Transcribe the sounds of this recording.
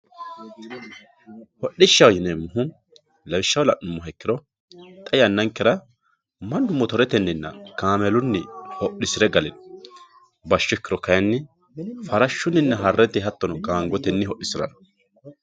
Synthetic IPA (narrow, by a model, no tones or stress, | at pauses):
hɔɗːɪʃːɐwjɪnemːʊɦʊ | lɐwɪʃːɐwlɐʔʊmːɔɦɛkːɪɾɔ | t̪ʼɐjɐnːɐŋkːɪɾɐ | mɐnd̪ʊmːɔt̪ɔɾɛt̪ɛnːɪnːɐ̰kaːmɛlʊnːɪhɔʔːɪsɪɾɛɡɐlɪn | bɐʃːɪkːɪɾɔkɐjɐnːɪ | fɐɾɐʃːʊnːɪnːɐɦɐrːɛt̪ɪɦɐt̪ːɔnɔkaːŋɡɔt̪ɛnːɪɦɔʔːɪsɪɾɐ̰nɐ̥